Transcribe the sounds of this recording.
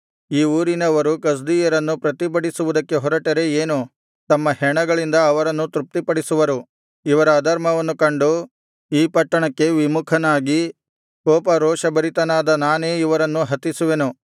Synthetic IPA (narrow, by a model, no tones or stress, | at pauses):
iːuːɾinɐʋɐɾukɐs̬d̪ijɐɾɐnːupɾɐt̪ipɐɽisuʋud̪ɐkːe̞ɦɔɾɐʈɐɾe̞eːnu | t̪ɐmːɐhɛɳɐɡɐɭind̪ɐːʋɐɾɐnːut̪ɾup̚t̪ipɐɽisuʋɐɾu | iʋɐɾɐːd̪ʱɐɾmɐʋɐnːukɐɳɖu | iːpɐʈːɐɳɐkːe̞ʋimukʰɐnaːɡi | kɔːpɐɾɔːʂɐbɐɾit̪ɐnaːd̪ɐnaːne̞ːiʋɐɾɐnːuɦɐt̪isuʋenu